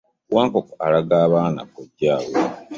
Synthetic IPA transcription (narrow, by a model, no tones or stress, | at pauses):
waːŋkokalaɡaːβaːna̰koɟaːwo